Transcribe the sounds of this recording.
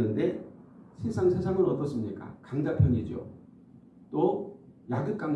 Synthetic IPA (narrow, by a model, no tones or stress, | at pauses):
ɯnde̞ɕʰisʰaŋsʰe̞sʰaŋɯnʌt͈ʌs͈ɯmɲik͈a̰kaŋd͡ʑapʰjʌɲid͡ʑo̰ | t͈o | laɡɯt̚k͈aŋ